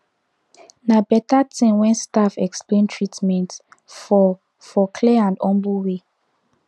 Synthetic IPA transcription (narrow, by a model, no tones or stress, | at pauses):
nabɛtatẽnwɛ̃nstafɛksplẽntʰɹitmɛ̃nt | fɔ | fɔkʰlɛãndɔ̃mbuwe